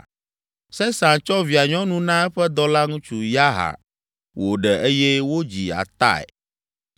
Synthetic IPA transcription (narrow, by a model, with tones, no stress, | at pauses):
sɛ˦sã˨nt͡ʃɔ˦vi˨a˨ɲɔ̃˦nũ˦nã˦ɛ˦ɸɛ˦d̪ɔ˦la˦ŋũ˦t͡ʃu˦ja˦ɦa̰˨ | wʔo˨ɖɛ˨ʔe˦jɛ˦wo˦d͡ʑi˨a̰˨t̪a̰˦˨ɛ̰˨